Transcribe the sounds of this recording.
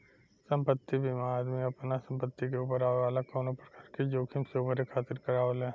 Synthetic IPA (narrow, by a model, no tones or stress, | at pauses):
sə̃mpət̪ːibʱimaːd̪miɐpnasɐ̃mpət̪ːikeuːp̬əɾaːʋeʋaːlakɔːnõpɾɐkaːɾked͡ʒoːkʰɪmsoːbʱəɾekʰaːt̪ɪɾkɐɾaːolɦɛ̃ː